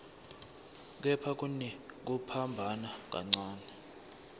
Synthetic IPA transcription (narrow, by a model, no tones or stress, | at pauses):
k̬ɛpʰak̬ʼunɛk̬upʰambʱanak̬ʼa̰ŋ͡ǀaːnɛ